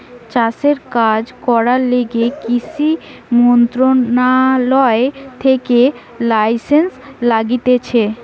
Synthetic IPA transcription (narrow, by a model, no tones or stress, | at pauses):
t͡ɕaseɾkad͡ʑkɔɾaleɡekisimont̪ɾonalɔet̪ʰeke | lajsenslaɡit̪et͡ɕʰe